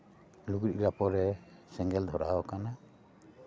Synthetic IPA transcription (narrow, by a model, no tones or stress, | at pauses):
luɡɾiɾapɔɾɛsɛŋɡɛld̪ʱɔɾa̰ɔkana